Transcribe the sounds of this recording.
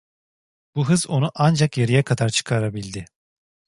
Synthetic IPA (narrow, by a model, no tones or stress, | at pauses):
b̥uɦɯzo̞nuʔand͡ʒakjeɾijɛkʰad̪aɾt͡ʃʰɯ̥kʰaɾabilʲd̪ɪ